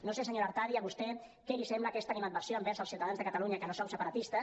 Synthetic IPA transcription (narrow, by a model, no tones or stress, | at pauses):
nosesəɲoɾəɾt̪aðiəβust̪ɛ | kɛlisɛmbləːkɛst̪animat̪̚bəɾsjoəmbɛɾzəlˠsiwt̪aðanzðəkət̪aluɲəkənosowsəpəɾət̪ist̪ə